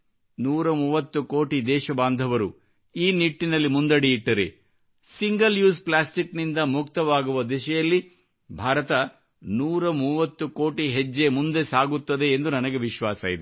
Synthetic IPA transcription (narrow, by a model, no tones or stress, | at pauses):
nuːɾɐmuːʋɐt̪ːuko̞ːʈid̪ɛːʃɐbaːnd̪ʱɐʋɐɾu | iːniʈːinɐlːimund̪ɐɽijiʈːɐɾe | siŋɡɐljuːsplaːsʈiknind̪ɐmukt̪ɐʋaːɡuʋɐd̪iʃɐjɐlːi | bʱaːɾɐt̪ɐ | nuːɾɐmuːʋɐt̪ːuko̞ːʈiɦed͡ʒːemund̪e̞saːɡut̪ːɐd̪e̞ːnd̪unɐnɐɡeʋiʃʋaːsɐ̰ːjid̪e